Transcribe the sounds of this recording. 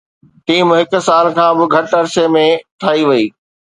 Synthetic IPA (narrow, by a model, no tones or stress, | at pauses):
ʈiːmɦɪk̆saːlkʰãːbɪ̆ɡʱɐʈɐɾsemẽʈ̪ʰaːiʋɐiː